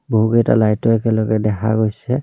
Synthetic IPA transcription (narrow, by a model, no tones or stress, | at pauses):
boɦukejta̰lajtɔɛkɛlɔkɛdɛkʰa̰ɡojsɛ